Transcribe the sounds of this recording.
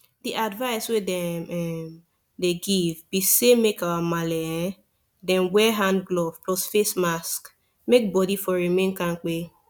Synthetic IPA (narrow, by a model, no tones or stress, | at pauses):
diʔadvaɪswedɛmɛm | deɡivbisemekawamalɛɛ̃ | dɛ̃nwɛɦãndɡlɔv̥plɔsfesmask | mek̚bɔdifɔɹimẽnkãnk͡pe